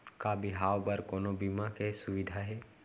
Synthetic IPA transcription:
kabɪɦaːwbəɾkoːnobimakesʊʋɪd̪ʱaɦɛː

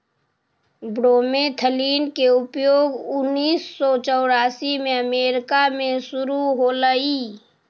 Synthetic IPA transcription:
bɽoːmẽt̪ʰəliːnkeʊpjoːɡʊnːiːsːɔt͡ʃɔːɽaːsimẽəmeːɾɪkamẽsʊɾuɦoləiː

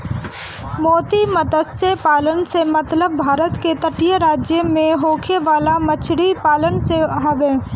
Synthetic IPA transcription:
mɔːt̪imɐt̪əssepaːlənsemɐt̪ləbːʱaːɾət̪ket̪əʈijəɾaːd͡ʒjəmẽɦoːkʰeʋaːlamət͡ʃʰɽipaːlənseɦɐʋẽː

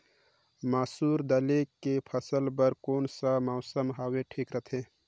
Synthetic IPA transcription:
maːsuːɾd̪əlekːepʰəsəlbəɾkoːnsamaʊsəmɦaːweʈʰiːkɾət̪ʰẽ

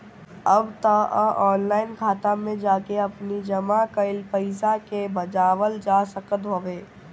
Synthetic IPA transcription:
əbt̪əʔə̰ʔɔːnlaːɪnkʰaːt̪amẽd͡ʒaːkeɐpnid͡ʒɐmakəɪlpəɪsakebɐd͡ʒaːʋəld͡ʒaːsəkət̪ɦoʋeː

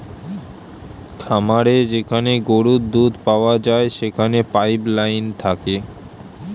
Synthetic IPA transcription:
kʰamaɾed͡ʑekʰaneɡoɾud̪d̪ud̪paoad͡ʑaeʃekʰanepajplajnt̪ʰake

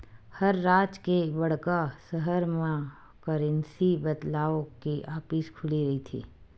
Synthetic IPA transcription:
hɐɾːaːt͡ʃkebɐɽkasəɦəɾmã | kɐɾɛ̃nsibɐd̪laːokiʔaːpiːʃkʰʊliɾɐɦit̪ʰḭː

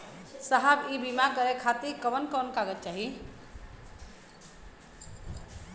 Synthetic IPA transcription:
səɦabibimaɡɡəɾekʰat̪iɾkəbənkɔnkaɡət̪t͡ʃaɦi

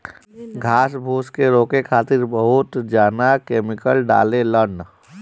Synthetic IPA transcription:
ɡʱaːsbʱoːskeɾoːkekʰaːt̪ɪɾbəɦʊt̪d͡ʒaːnakeːmɪkəlɖa̰ːlelən

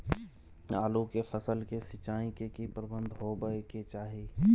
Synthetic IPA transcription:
aːlukefəsəlkesɪt͡ʃaːĩkekipɾəbə̃nd̪ʱɦobəeket͡ʃaːɦi

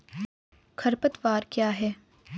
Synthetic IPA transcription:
kʰɐɾpət̪ʋaːɾkjaːɦɛː

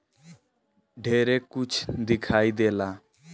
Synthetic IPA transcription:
ɖʱeːɾeːkʊt͡ʃʰd̪ɪkʰaːiːd̪eːlaː

